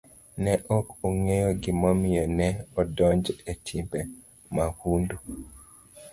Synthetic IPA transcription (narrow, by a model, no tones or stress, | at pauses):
nɛʔɔkoŋejoɡɪmɔmɪjɔnɛɔdɔɲd͡ʒetʰimbe | mahundu